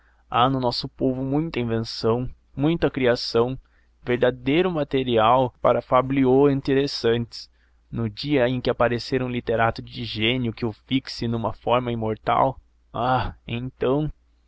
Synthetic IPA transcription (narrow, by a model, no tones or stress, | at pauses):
anʊnɔsʊpovʊmũj̃t̪ɐĩvẽsɐ̃w̃ | mũj̃t̪ɐkɾiasɐ̃w̃ | veɾd̪ad̪ejɾʊmat̪eɾiawpaɾɐfablioĩnt̪eɾesɐ̃nt͡ʃ̪ɪ̥s | nʊd͡ʒiɐẽj̃kɪapaɾeseɾũlit̪eɾat̪ʊd͡ʒɪʒẽnjʊkɪʊfiksɪnũmɐfɔɾmɐĩmoɾt̪a̰w | aḛ̃j̃t̪ɐ̃w̃